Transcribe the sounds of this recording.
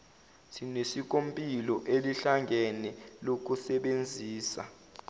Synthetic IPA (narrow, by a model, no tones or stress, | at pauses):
tʰinesik̬ʼompʼilɔʔeliɬaŋɡʱɛnɛlok̬ʼusɛɓend͡zʱiːsa̰